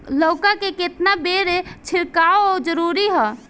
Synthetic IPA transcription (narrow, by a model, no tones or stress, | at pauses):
loːkakeket̪nabeːɾet͡ʃʰɪɾkaːood͡ʒəɾuːɾiɦɛː